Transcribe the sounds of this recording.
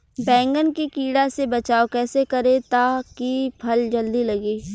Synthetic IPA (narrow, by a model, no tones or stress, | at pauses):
bɛ̃ːŋɡənkikiːɽasebɐt͡ʃaːokɛːsekɐɾẽt̪akipʰɐld͡ʒəld̪ilɐɡeː